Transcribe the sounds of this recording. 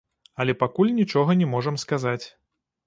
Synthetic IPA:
ɐlʲɛpakulʲnʲit͡ʂɔɣɐnʲɛmɔʐɐmskazat͡sʲ

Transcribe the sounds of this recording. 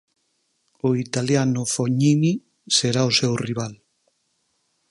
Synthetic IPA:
ʊit̪aljanʊfoɲini | seɾaosewriβ̞al

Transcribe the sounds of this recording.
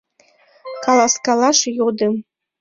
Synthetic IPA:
kʰalaskalaʂijodɨm

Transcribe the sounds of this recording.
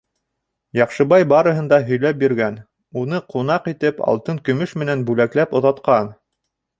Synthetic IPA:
jɑqʃɤ̆βɑjbɑɾɤ̆ɦɤ̆nd̪ɑɦɵ̆jlæp̚biɾɡæn | unɤqʰun̪ɑqit̪ɘpɑ̰lˠt̪ɤŋkɵ̆mɵʃmɘ̆nænbʉlæklæpŏðɑt̪qɑn

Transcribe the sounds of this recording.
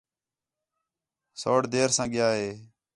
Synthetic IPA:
soːɽd̪eːɾsãːɠɪjaːɦeː

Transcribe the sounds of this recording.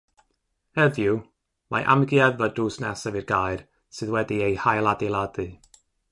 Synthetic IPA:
hɛðju | maʔa̰mɡjaðvəduːsnɛsəvirɡajr | sɨðwɛdiejhajlˠadilˠadɨ

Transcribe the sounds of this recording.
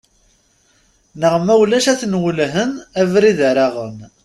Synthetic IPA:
nəʁmæwlæʃæθnwəlɦənævɾiðəɾaʁə̰n

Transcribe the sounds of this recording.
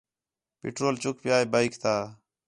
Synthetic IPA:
pɪ̰ʈɾoːlt͡ʃʊkpɪjaːeːbaːiɪkt̪aː

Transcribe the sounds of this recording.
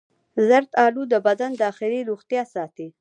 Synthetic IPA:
zaɾt̪ɑlud̪əbad̪and̪ɑxɪliɾuxt̪jɑsɑt̪i

